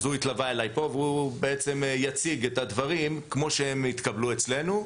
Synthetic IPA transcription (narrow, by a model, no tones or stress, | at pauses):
zuit̪lavae̞lajpo̞veubeet͡se̞mjat͡siɡe̞t̪advaʁimkmo̞ʃeemit̪kablue̞t͡sle̞nu